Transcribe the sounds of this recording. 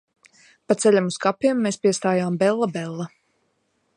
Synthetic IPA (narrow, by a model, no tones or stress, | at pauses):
pat̪sɛʎʲamuskapːijumːeːspiɛst̪aːjaːmbɛlˠːabɛlˠːa